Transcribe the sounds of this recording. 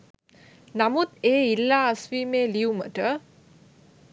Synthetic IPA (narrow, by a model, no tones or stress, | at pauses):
namut̪eːilːaːsʋiːmeːliumə̰ʈə